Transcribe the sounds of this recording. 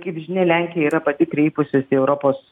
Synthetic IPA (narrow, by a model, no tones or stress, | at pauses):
kɐɪpʒʲɪnʲeːlʲæˑŋʲkʲɪjɛiːɾɐpɐt̪ʲɪkɾʲɛɪpʊsʲɪsɛʊɾopoːs